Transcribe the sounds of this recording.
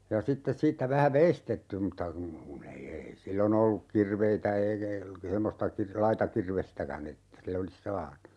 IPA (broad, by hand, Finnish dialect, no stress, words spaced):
jɑ sitːes siːtːæ ʋæhæ ʋeistetːy mutːɑ kun kun ei ei silːon olːuk kirʋeitæ eikæ semːostɑ kir lɑitɑ kirʋestækæn etːæ sil olis sɑːnu